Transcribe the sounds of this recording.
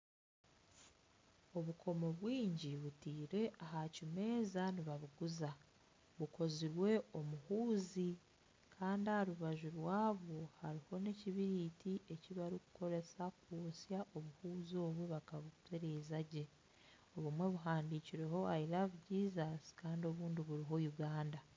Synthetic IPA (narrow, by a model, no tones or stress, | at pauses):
o̞βukʰo̞mo̞βwiːɲɟiβutiːɾe̞ʔaɦacime̞ːzaniβaβuɡuza | βuko̞ziɾwe̞o̞muhuːzi | kʰaːndiahaɾuβaʒuɾwaːβo̞haɾiho̞ne̞ciβiɾitiʔe̞ciβaɾiku̥kʰo̞ɾe̞sakoːsjaʔo̞βuhuːzo̞ːβweβakaβukuteɾezaɟe̞ | oβumwe̞βuɦaːndiːciɾe̞ɦo̞ajiɾaβuɟiːzasi̥kaːndio̞βuːndiβuɾiɦo̞juɡaːnda